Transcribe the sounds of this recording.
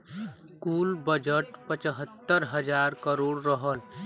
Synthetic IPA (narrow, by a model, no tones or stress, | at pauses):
kuːlbəd͡ʒəʈpət͡ʃəɦət̪ːəɾɦəd͡ʒaːɾkəɾoːɽɾəɦəl